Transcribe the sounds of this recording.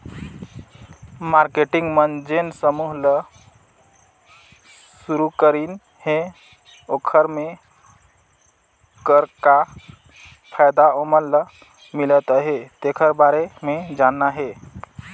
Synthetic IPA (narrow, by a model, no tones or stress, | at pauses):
maɾkeʈiŋɡmənd͡ʒensəmuɦlə | suɾukəɾin | he | okʰəɾme | kəɾka | pʰajd̪aomənlə | milət̪əɦet̪ekʰəɾbaɾemed͡ʒanːaɦe